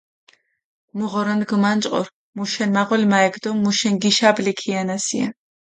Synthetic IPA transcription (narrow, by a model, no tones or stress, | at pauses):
muʁɔɾɔnɡmant͡ʃʼqʼɔ̰ɾ | muʃɛnmaʁɔlmaɛɡd̪ɔmːuʃɛnɡiʃablikʰianasia̰